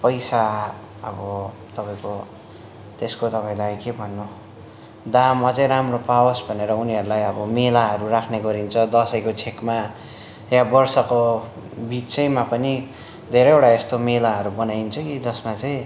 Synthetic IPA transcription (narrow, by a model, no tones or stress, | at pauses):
pʌjsa | ʌ̰bʌ | t̪ʌpaĩko | t̪eskot̪ʌpaĩd̪ajkebʱʌnːo | d̪amːat͡sʌĩɾamropawʌsbʱʌneɾʌuniɦʌɾulajʌbʌmelaɦʌɾurakʰneɡʌɾint͡sʰʌd̪ʌsʌjkot͡sʰekma | jabʌrsʌko | bit͡sʌjmapʌni | d̪ʱeɾʌjewʈaest̪omelaɦʌɾubʌnajnt͡sʰʌkid͡zʌsmat͡sʌĩ